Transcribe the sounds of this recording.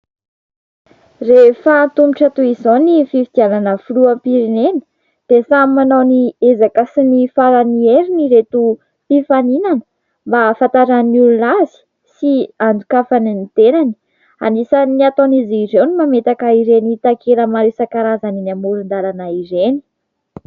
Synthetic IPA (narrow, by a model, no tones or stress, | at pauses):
refant̪umuʈ͡ʂət̪uizonififid̪ialanəfuluəpiɾinenə | d̪̥esamimanoniezakəsinifaɾanieɾiniɾet̪u | pifaninanə̥ | mbafant̪aɾanulunazi̥ | siand͡zukafaninit̪enani̥ | a̰nisəniat̪oniziɾewnimamet̪akaiɾenit̪akʰeləmaɾesakaɾazaninamuɾund̪alanaiɾeni̥